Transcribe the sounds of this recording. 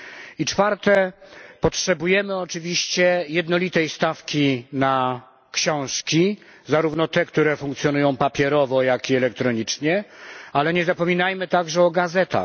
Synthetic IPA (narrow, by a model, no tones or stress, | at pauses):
it͡ʂfaɾt̪ɛpɔtʂɛbujɛmɘɔt͡ʂɘvʲiɕt͡ɕɛjɛd̪nɔlʲit̪ɛjst̪afkʲina | kɕɔ̃w̃ʂkʲi | zaɾuvnɔt̪ɛkt̪uɾɛfuŋk̚t̪sʲjɔnujɔ̃w̃papʲjɛɾɔvɔjakiɛlɛk̚t̪ɾɔɲit͡ʂɲɛalɛɲɛzapɔmʲinajmɘt̪aɡʐɛɔɡazɛt̪a̰x